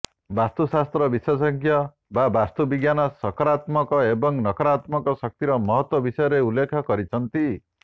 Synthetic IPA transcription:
bast̪usast̪ɾɔbiswɔsɔŋkʰjɔ | babast̪ubiɡjanɔsɔkɔɾat̪mɔkɔebɔŋnɔkɔɾat̪mɔkɔsʌk̚t̪iɾɔmɔɦɔt̪wɔbisɔjɔɾeulːekʰɔkɔɾit͡ʃʰʌnt̪i

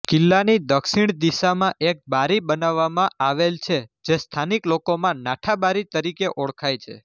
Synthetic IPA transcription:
kɪlːanid̪əkʃiɽ̃d̪isamãʔek̚baɾibənaʋːamãʔaʋelt͡ʃʰed͡ʒest̪ʰaniklokomãnaʈʰabaɾit̪əɾikeʔɔɭkʰajt͡ʃʰḛ

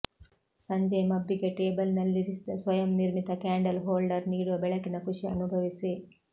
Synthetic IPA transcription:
sɐɲd͡ʒɐmɐbːiɡeʈeːbɐlnɐlːiɾisid̪ɐsʋɐjɐmniɾmit̪ɐkaːɳɖɐlɦoːlɖɐɾniːɽuʋɐbɛɭɐkinɐkuʂiɐ̰nubʱɐʋisi

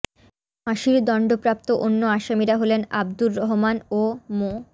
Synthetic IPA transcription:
maʃiɾd̪ɔɳɖopɾap̚t̪oʔonːoaʃamiɾaɦolena̰bd̪uɾːɔɦomanomo

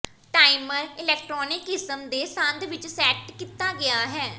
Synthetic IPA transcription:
ʈaːiməɾɪlɛːk̚ʈɾɔːnɪkɪsəmd̪eːsãnd̪ʋɪt͡ʃsɛːʈkit̪aːɡɪaːɦɛː

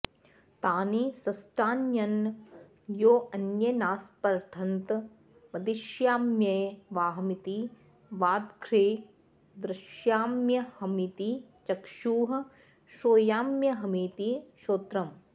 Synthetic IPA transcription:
t̪aːnisɐsʈaːnjɐn | joːɐnjɐnaːspɐɾt̪ʰɐnt̪ | mɐd̪iʃjaːmjɐjʋaːɦmit̪i | ʋaːd̪kʰɾeː | d̪ɾɪʃjaːmjɐhɐmit̪it͡ʃɐkʃuːɦɐ | ʃoːjaːmjɐɦɐmit̪iʃoːt̪ɾɐm

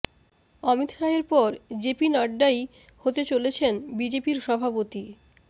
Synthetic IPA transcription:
ɔmit̪ʃaeɾpɔɾd͡ʑepinaɖːaj | hot̪et͡ɕolet͡ɕʰenbid͡ʑepiɾʃɔbʱapot̪i

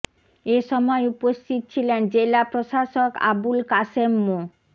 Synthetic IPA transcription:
eʃɔmɔeupost̪ʰit̪̚t͡ɕʰilend͡ʑelapɾoʃaʃoka̰bulkasemːo

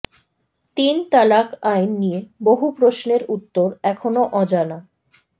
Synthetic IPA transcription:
t̪int̪alakajnːijeboɦupɾoʃneɾut̪ːoɾɛkʰonoʔɔd͡ʑana

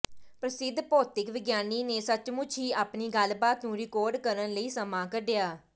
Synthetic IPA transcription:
pɾəsɪd̪ʱːpoːt̪ɪkʋɪɡjaːniːneːsət͡ʃmʊt͡ʃʰiːaːpniːɡəlbaːt̪nũːɾɪkɔːɾɖkəɾənləiːsəmaːkəɖejaː

